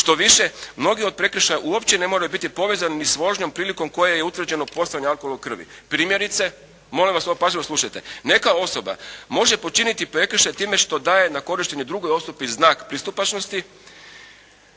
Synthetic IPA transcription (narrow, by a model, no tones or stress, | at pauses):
ʃt̪o̞ʋiʃe̞mno̞ɡio̞d̪̚pɾe̞kr̩ʃajaʔuopt͡ɕe̞ne̞mo̞ɾajubit̪ipo̞ʋezaninisʋo̞ʒɲo̞mpɾiːliko̞mko̞jejeut̪ʋr̩d͡ʑe̞no̞po̞saaɲealkololkr̩ʋḭpɾiːmje̞ɾit̪se̞ | mo̞limʋasopaːziloslˠuʃajt̪e̞ne̞kao̞so̞ba̰mo̞ʒe̞pot͡ʃinit̪ipɾe̞kr̩ʃajt̪iːme̞ʃt̪o̞d̪aːje̞nako̞ɾiʃt̪e̞ɲed̪ɾuɡo̞jo̞st̪upiznaːkpɾist̪upat͡ʃno̞st̪i